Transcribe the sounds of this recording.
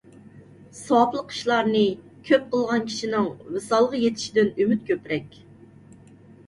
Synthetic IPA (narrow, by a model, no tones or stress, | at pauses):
sɑplˠəqːi̥ʃlˠɑɾnɨ | kʲʰøp̚qʰəlˠʁɑnkʲʰi̥ʃinɪŋvɨsɑlˠʁjet̪ʰɪ̥ʃid̪ɪnymyt̪̚kʲʰøpɾɛkʲ